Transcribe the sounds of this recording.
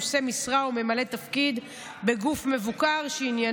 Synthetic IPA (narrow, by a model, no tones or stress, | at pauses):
se̞misʁaume̞malet̪afkid̪ | be̞ɡufme̞vukaʁʃeinja